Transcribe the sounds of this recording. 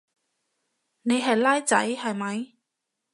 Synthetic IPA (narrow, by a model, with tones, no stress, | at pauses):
ne˨˧jɦɐ˨jlaː˥jt͡sɐ˨˥jhɐ˨jmɐ˨˧j